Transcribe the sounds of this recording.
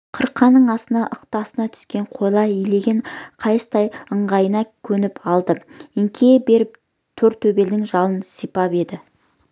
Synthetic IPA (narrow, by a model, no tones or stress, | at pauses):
qʰəɾqʰːɑnːəɴɑsənɑʔəqt̪ɑsənɑt̪ʰʏ̥skʲe̞ɴqʰo̞jlˠɑɪjle̞ɡʲɪɴqʰɑjsə̥t̪ʰɑjəɴʁɑjənɑkʲʰɵnɪpɑlˠd̪əɪŋkʲʰe̞be̞ɾɪp̚ | t̪ʰɵɾt̪ʰːɵbe̞ld̪ɪŋʒɑlˠənsijpɑpe̞d̪ɪ